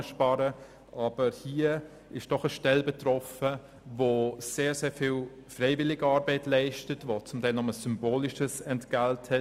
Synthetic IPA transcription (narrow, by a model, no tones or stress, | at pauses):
əʃpɑːɾə | ʔɑːb̥əɾhiːə | ɪʃd̥ɔχəʃtɛlbɛtrɔfə | voseːɾseːɾfil | freɪvɪlɪɡəɑːɾbɛɪtlɛɪʃtətvot͡sʊmtʰaɪlnɔməsʏmboːlɪʃəsɛntɡ̥althɛ